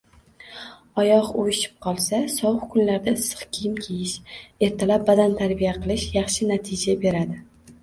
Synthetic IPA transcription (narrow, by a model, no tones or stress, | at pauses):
ɒjɒqojɪʃɪ̥p̚qʰɒlˠsasɒwɨqkʰʊnlaɾd̪aɪsːɨ̥qkʲʰijɪmkʲʰejɪʃe̞ɾt̪ʰalap̚bad̪ant̪ʰaɾbijaqʰɨlˠɪʃjɑχʃɪnat̪ʰɪd͡ʒabe̞ɾad̪ɪ